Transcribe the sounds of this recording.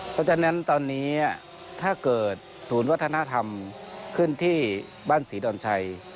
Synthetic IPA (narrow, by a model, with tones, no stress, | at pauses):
ka˧˩t͡ɕa˧˩na˦˥nt̪ɔː˧nːiː˦˥a˩ | t̪ʰaː˥˩kɤː˨˩t̪̚ | suː˩˦nwa˦˥t̪ʰːa˧na˦˥t̪ʰa˧m | kʰɯ˥˩nt̪ʰiː˥˩ | baː˥˩nsiː˩˦dɔː˧nt͡ɕʰa˧j